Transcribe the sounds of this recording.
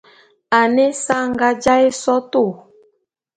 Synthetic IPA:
a˨ne˦sa˦ŋɡa˦d͡ʒa˦e˦sɔ˦to˦˨

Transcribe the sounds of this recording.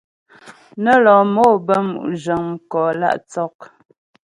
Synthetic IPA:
nə˦lɔ˨mo˦˨bə˦mṵ˨ʔd͡ʒə˨ŋm˦kɔ˨la̰˦ʔt͡sɔ˦k̚

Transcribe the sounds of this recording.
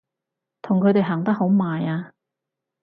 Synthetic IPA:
t̪ʰʊ˨˩ŋkʰɵ˨˧t̪e˨jɦaː˨˩ŋt̪ɐ˥k̚ho˨˥wmaː˨jaː˧

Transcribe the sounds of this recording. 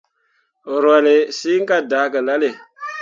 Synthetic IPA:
ɾwa˨le˨siː˦ŋ̩˦ka˦daː˨˦kə˨la˦le˨

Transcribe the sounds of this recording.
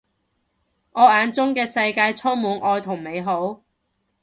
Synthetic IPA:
ŋɔː˨˧aː˨˧nt͡sʊ˥ŋkɛː˧sɐ˧jkaː˧jt͡sʰɔː˥ŋmuː˨˧nʔɔː˧jt̪ʰʊ˨˩ŋme˨˧jɦo˨˥w

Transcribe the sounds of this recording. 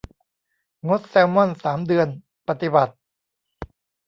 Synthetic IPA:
ŋo˦˥t̪̚sɛː˧wmɔ˥˩nsaː˩˦mdɯ˧ən | pa˧˩t̪i˨˩ba˨˩t̪̚

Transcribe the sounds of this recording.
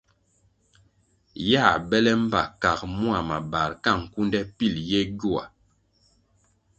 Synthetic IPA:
ja˦˨bɛ˦lɛ˦m̩˦ba̰˨ka˨kmu˦a˨ma˨ba˨ɾka˦˨ŋ̩˨ku˦ndɛ˦pi˦˨ljɛ˦ɡu˦a̰˨

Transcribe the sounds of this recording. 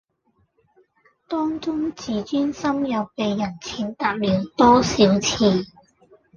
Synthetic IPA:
t̪ɔː˥ŋt͡sʊ˥ŋt͡siː˨˥t͡ʃyː˥nsɐ˥mjɐ˨wpe˨˧jːɐ˨˩nt͡sʰiː˨˧nt̪aː˧p̚liː˨˧wt̪ɔː˥siː˨˥wt͡sʰiː˧

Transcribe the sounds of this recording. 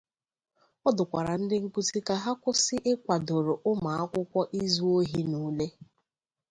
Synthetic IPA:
ɔ˦dʊ˨kʷa˨ɾa˨n̩˦dɪ˦ŋ̩˦ku˦ti˦ka˦ɦa˦kʷʊ˦sɪ˦ʔɪ˦kʷa˨do˨ɾo˨ʔʊ˦ma˨a˦kʷʊ˦kʷɔ˦ʔi˦zu˦o˦ɦi˦nuː˦le˦

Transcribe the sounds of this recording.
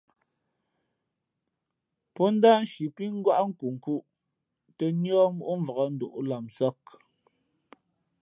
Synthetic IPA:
pɔ˦n̩˦da˦n̩˦ʃi˨pi˦ŋ̩˦ɡwa˦ʔŋ̩˦ku˨ŋ̩˨ku˦ʔ | tə˦njɔ˦mu˦ʔu˦ɱ̩˦və˨ɣə˨n̩˦du˨ʔla˨msɔ˦k̚

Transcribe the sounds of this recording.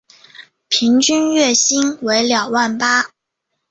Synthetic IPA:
pʰi˧˥ŋt͡ɕy˥nɥɛ˥˩ɕi˥nwe˧˥ɪljɑ˨˩ʊwa˥˩npa˥

